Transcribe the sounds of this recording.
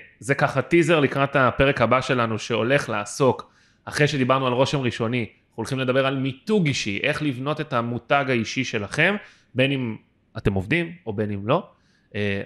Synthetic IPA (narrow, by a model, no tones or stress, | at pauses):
zekaχatizeʁlikʁatapeʁekhabaʃe̞lanuʃe̞o̞le̞χlaːso̞k | aχʁejʃe̞d̪ibaʁnualʁo̞ʃe̞mʁiʃo̞ni | ulχimle̞d̪abe̞ʁalmituɡiʃiʔe̞χlivno̞te̞tamutaɡaiʃiʃe̞laχe̞m | be̞nim | ate̞movd̪imo̞be̞nimlo̞ | e